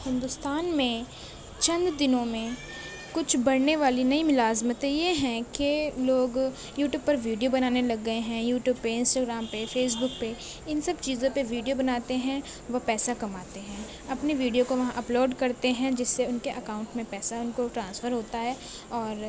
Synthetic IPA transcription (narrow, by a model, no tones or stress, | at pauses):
hɪ̃nd̪ʊst̪aːnmẽ | t͡ʃɐ̃nd̪d̪ɪnõmẽ | kʊt͡ʃʰbɐɽneʋaːlinɐimʊlaːzmət̪ejeɦɛ̃keloːɡ | juːʈjuːb̚pɐɾʋiːɖijobɐnaːnelɐɡːɐeɦɛ̃juːʈjuːb̚peɪ̃nsʈaːɡɾaːmpefeːs̬bʊk̚pe | ɪnsɐbt͡ʃiːzõpeʋiːɖijobɐnaːt̪eɦɛ̃ | ʋɐpɛːsakɐmaːt̪eɦɛ̃ː | ɐpneʋiːɖijokoʋɐɦãʔɐploːɖkɐɾt̪eɦɛ̃d͡ʒɪsːeʊnkeʔɐkaːʊ̃ɳʈmẽpɛːsaʊnkoʈɾãːnsfəɾɦoːt̪aɦɛː | ɔːɾ